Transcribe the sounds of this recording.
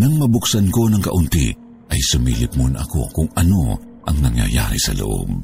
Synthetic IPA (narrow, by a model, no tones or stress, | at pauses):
nɐŋmɐbʊksɐnko̞nɐŋkɐʔʊnt̪ḭ | ʔɐjsʊmḭːlɪp̚mʊnɐ̰ko̞̰kʊŋɐno̞ | ʔɐŋnɐŋjɐ̰ja̰ɾḭsɐ̰lo̰ʔo̰b̚